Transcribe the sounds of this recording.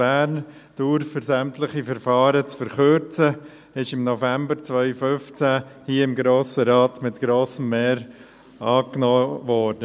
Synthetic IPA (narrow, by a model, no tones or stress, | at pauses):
æːɾn | d̥uɾfəzæmtləχifəɾfɑːɾət͡sfəɾχøɾt͡sə | ɪʃɪmnɔfæmbəɾt͡svœʏfʏft͡sæhiəɪmɡɾoːsəɾɑːtmɪtɡ̥ɾoːsəmːɛːɾ | ɑːknoːʋɔːɾd̥ə